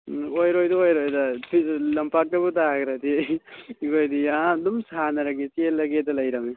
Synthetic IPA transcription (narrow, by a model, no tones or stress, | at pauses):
ojɾojdɐojɾojdɐpʰilɐmpak̚tɐbutaɡɾɐdi | ɡojdiadumsanɐɾɐɡeselːɐɡedɐlɐjɾɐme